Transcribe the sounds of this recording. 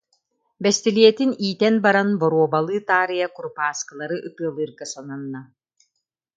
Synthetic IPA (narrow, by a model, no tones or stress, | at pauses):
bɛst̪ɛliɛt̪iniːt̪ɛnbaɾanbɔɾuɔbalˠɯːt̪aːɾɯjakuɾupaːskɯlˠaɾɯʔɯt̪ɯːlˠɯːɾɡasɔnɔnːa